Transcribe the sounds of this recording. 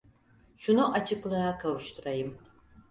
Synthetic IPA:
ʃʊnoʔɐt͡ʃʰɪklɐakʰɐwʃtʰrɐjɪm

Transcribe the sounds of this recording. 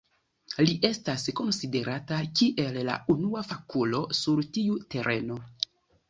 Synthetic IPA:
liʔe̞stasko̞nside̞ɾatakiʔe̞lla̰unuafakulo̞suɾtiute̞ɾʔe̞no̞

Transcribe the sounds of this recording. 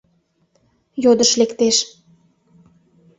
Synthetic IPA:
jod̪əʃlekt̪eʃ

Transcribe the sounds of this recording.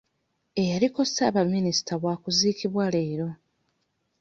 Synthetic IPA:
e̞jaliko̞saːβamːinisi̥tʰaβwaːkuziːkiβwale̞ːɾo̞

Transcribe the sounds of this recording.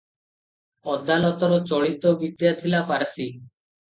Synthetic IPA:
ɔd̪ːalɔt̪ɔɾɔt͡ɕɔɽit̪obid̪jat̪ʰilapaɾsi

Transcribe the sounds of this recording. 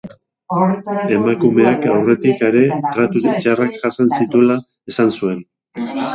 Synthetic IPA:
e̞makume̞akawre̞t̪ikeɾe̞t̪ɾat̪uɾit͡ʃarakʝasansit̪ula | esansue̞n

